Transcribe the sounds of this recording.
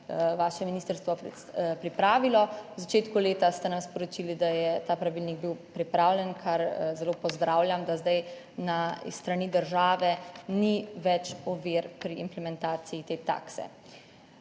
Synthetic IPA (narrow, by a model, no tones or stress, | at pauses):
ʋaːʃɛminiːst̪əɾst̪ʋɔ | pɾipɾaːʋilɔwzat͡ʃeːt̪kuleːt̪ast̪ɛnamspɔɾɔt͡ʃilid̪ajɛt̪aːpɾaʋiːlniɡbiwpɾipɾaːwlʲjɛnkʰaɾzɛloːpɔzd̪ɾaːwlʲjʲamd̪azd̪aj | na̰st̪ɾanid̪əɾʒaːʋɛniʋɛt͡ʃɔʋiɾpɾiimplɛmɛnt̪aːsiit̪eːt̪a̰ːksɛ̰